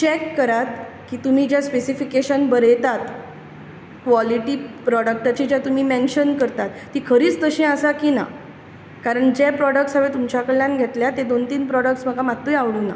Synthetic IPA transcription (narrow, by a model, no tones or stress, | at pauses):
t͡ɕɛkːəɾat̪̚ | kiːt̪um̤iːd͡ʑjaspesifikeɕənbəɾejt̪at̪ | kʋɔliʈipɾɔɽək̚ʈat͡ɕid͡ʑjat̪um̤iːmenɕənkəɾt̪at̪ːiːkʰəɾiːt͡st̪əɕẽəsakina̰ | kaɾəɳd͡ʑepɾɔɽək̚ʈsaʋet̪umt͡ɕakəɭjãnɡʱet̪ljat̪ed̪ont̪iːnpɾɔɽək̚ʈsməɡamat̪ːujaʋɽuːna̰